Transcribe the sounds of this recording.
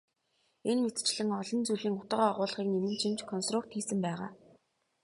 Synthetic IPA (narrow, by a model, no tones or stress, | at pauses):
enmet̪t͡ɕɮɘ̆ŋɔɮɞ̆nt͡suɮiːŋʊt̪ə̆ʁaʁʊːɮ̆χiːknemɘ̆nt͡ɕʰimt͡ɕkʰɔnst̪rʊk̚t̪xiːsɘ̆mpæːʁa̰ː